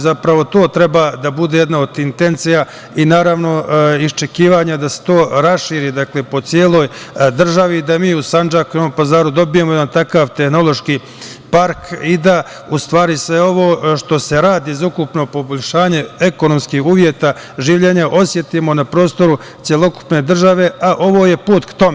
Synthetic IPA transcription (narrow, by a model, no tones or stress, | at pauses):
zapɾaʋo̞t̪o̞ːt̪ɾe̞bad̪abud̪ejed̪naod̪int̪e̞nt̪sija | inaːɾaʋno̞ist͡ʃe̞kiːʋaɲad̪ase̥t̪o̞ːɾasʃiːɾiːd̪akle̞po̞t̪sijeːlˠo̞ːjd̪r̩ʒaʋid̪amiːusand͡ʒakujomompazaːɾud̪o̞bije̞mojed̪ant̪akaːʋt̪e̞xno̞lo̞ʃki | paɾkid̪a | ust̪ʋaːɾisʋe̞o̞ʋo̞ːʃt̪o̞se̞ɾaːd̪izukupno̞po̞bo̞ʎʲʃaːɲe̞eko̞no̞mskihuːʋjet̪a | ʒiːʋʎe̞ːɲaʔo̞sje̞t̪imo̞napɾo̞ːst̪o̞ɾu | tsjelˠo̞ku̥pne̞d̪r̩ʒaʋe̞ʔaʔo̞ʋo̞ːje̞puːt̪kt̪o̞me